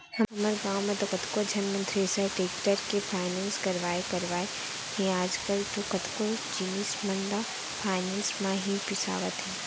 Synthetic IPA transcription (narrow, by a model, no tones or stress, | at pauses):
hɐɐməɾɡaːwmẽd̪okət̪kod͡ʒʱɐnmə̃nt̪ɾeːsəʈeːkʈəɾkepʰaːɪnẽːnskɐɾʋaːekɐɾʋaːe | ɦẽaːd͡ʒkəlt̪okət̪kod͡ʒinismə̃nɖa | pʰaːɪnẽːnsmãɦipɪsa̰ːʋət̪ɦɛː